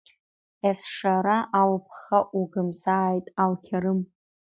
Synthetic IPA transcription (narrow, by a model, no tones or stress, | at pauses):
esʂaɾaʔawpʰχaʔuɡɨmzaːjtʼalkʲʰaɾɨm